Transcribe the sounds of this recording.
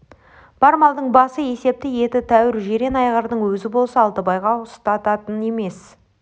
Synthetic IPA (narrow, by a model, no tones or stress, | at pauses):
b̥ɑɾmɑlˠd̪əɴbɑsəje̞se̞p̚t̪ɪje̞t̪ɪt̪ʰæwɪɾʒe̞ɾe̞nɑjʁəɾd̪əɴwɵzɪbo̞lˠsəːlˠt̪əbɑjʁɑʊst̪ɑt̪ɑt̪əne̞me̞s